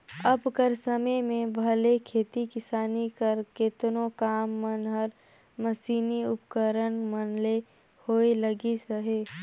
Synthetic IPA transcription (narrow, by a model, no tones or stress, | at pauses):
ɐbkəɾsəməmẽbʱɐlekʰeːt̪ikɪsaːnikəɾket̪nõkaːmːənɦəɾ | məsiːniʊpkəɾənmənle | hoːeləɡisəɦeː